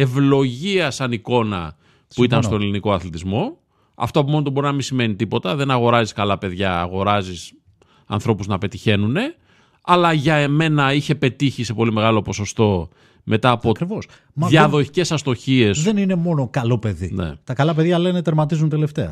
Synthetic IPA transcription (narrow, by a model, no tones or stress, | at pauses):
e̞vlo̞ʝiɐsɐniko̞nɐ̰ | uit̪ɐnst̪oneliniko̞ɐθlet̪izmo̞ | ɐ̰ft̪oɐp̬umonot̪obo̞ɾinɐminsime̞nit̪ipo̞t̪ɐðe̞nɐɣo̞ɾɐziskɐlɐpe̞ðʝɐːɣo̞ɾɐzis | ɐ̰nθɾo̞puznɐpe̞t̪içe̞nune̞ | ɐlɐʝɐeme̞nɐiçe̞pe̞t̪içise̞po̞lime̞ɣɐlo̞po̞so̞st̪o̞ | mʔe̞t̪ɐːpokɾivos | mðjɐðo̞çi̥ce̞sɐst̪o̞çie̞sðenine̞mo̞nokɐlopeðḭnḛt̪ɐkɐlɐp̬e̞ðʝɐlenet̪eɾmɐt̪̬izunt̪e̞left̪e̞ɐ